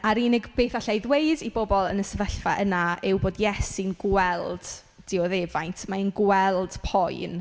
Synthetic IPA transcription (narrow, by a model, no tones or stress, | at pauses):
aɾinɪɡb̥eːθaɬajðwejdibɔbɔlˠənəsəvəɬva̰ʔənaɪwboːdjɛsinɡwɛlˠd̥ | d̥ɪɔðeːvajntʰmainɡwɛlˠd̥pʰɔjn